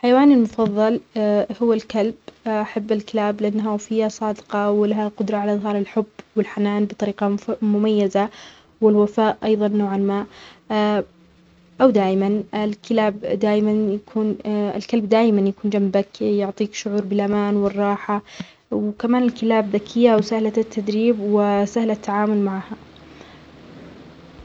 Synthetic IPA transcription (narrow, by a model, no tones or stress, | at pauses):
lħajawaːnɪlmʊfɑðˤːɑlhʊwːalkalbʔaħabːɪlkɪlaːblɪʔanːɦafɪjːasˤɑːd̪qɑwɪlaɦaqʊd̪ɾˤɑʕalaʔðˤɦɑːɾˤɪlħʊbːwɪlħanaːnbɨt̪ˤɑɾiːqɑmʊmajːaza | wɪlwafaːʔʔɑjðˤɑnːoːʕalmaːʔ | ʔawd̪aːʔɪmanlkɪlaːbd̪aːʔɪmanjakʰuːnɪ̰lkalbd̪aːʔmanjakuːnd͡ʒambakjʊʕt̪ˤiːkʃʊʕuːɾˤbɪlʔamaːnwɪrˤːɑːħa | wkamaːnɪlkɪlaːbðakʰɪjːaʔwsahlat̪ʰːad̪ɾiːbwɪsahlat̪ːaʕaːmʊlmaʕha